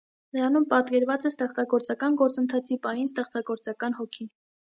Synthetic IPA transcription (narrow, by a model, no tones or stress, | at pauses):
nəɾɑnumpɑt̪kɛɾvɑt͡sɛst̪ɛχt͡sɑɡɔɾt͡sɑkɑnɡɔɾt͡sənt̪ʰɑt͡sʰipɑjinst̪ɛχt͡sɑɡɔɾt͡sɑkɑnhɔkʰin